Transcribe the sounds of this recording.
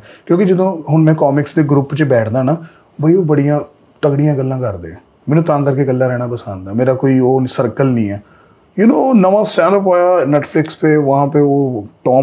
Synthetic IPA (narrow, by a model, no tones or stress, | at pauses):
kjõːkɪd͡ʒɪd̪õːɦʊnmɛ̃ːkɔːmɪksd̪eːɡɾʊpt͡ʃəbɛːʈʰd̪aːnaː | bʱaːioːbəɽijãː | t̪əkɽɪjãːɡəlːãːkəɾd̪ḛːɛ̃ː | mɛːnũːt̪ãːnkəɾkeːɡəlːaːɾɛːɽaːpəsãːnd̪aːmeːɾaːkoːiːoːsəɾkəlnĩːɛː | jʊnoːnəʋãːsʈɛ̃ːnɖəp̬oːjaːnɛːʈpʰlɪkspeːʋəɦãːpeːoːʈɔː